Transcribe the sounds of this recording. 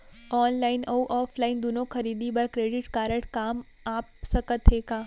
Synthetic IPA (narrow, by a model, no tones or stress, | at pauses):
ɔːnlaːɪnɐuʔɔːfʰlaːɪnd̪unõxʰɐɾiːd̪ibɐɾkɾeːɖɪʈkaːɾəʈkaːm | aːpsɐkət̪ɦeːɡaː